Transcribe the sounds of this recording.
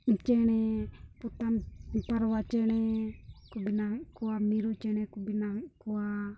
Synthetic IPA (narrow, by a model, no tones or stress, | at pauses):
nt͡ʃɛnɛput̪anmipaɾwat͡ʃɛnɛkubinakuwamiɾut͡ʃɛnɛkubinakuwa